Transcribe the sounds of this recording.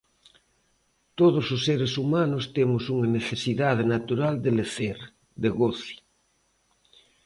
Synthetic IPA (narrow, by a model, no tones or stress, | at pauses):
t̪oð̞ososːeɾesumanost̪emosuŋaneθesiðað̞enat̪uɾald̪eleθeɾ | d̪eɣoθi̥